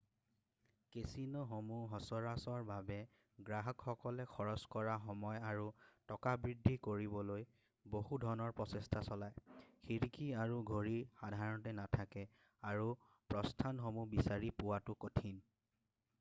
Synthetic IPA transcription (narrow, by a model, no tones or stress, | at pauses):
kesinɔɦomuɦɔsɔɹasɔɹbabɛ | ɡɹaɦɔkxɔkɔlɛxʰɔɹɔskɔɹaxɔmɔjaɹutɔkabɹidʱːikoɹibɔloj | boɦudʱɔnɔɹpɹɔsɛstʰasɔlajxiɹikʰiaɹuɡʱoɹixadʱaɹɔntɛnatʰakɛ | aɹu | pɹɔstʰanɦomubisaɹipʊwatʊkotʰin